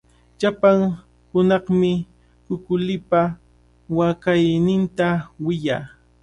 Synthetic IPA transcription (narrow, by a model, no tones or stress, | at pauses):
ʎapaŋ | hʊnɑχmɪ | kʊkʊlɪpa | wakajnɪnt̪awɪjaː